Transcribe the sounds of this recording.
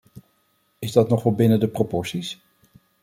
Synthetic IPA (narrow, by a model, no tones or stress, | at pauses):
ɪzdɑtnɔχʋɑlˠbɪnədəpropɔɹsis